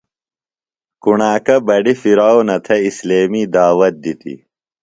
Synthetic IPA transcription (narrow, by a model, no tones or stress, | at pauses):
kuɳaːkɐbɐɖifiɾaːwnɐt̪ʰɐisleːmiːd̪aːwɐt̪̚d̪it̪ḭ